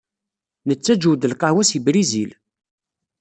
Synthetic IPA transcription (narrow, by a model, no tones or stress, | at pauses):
nət͡sːæd͡ʒuwd̪əlqɑwæsibɾizil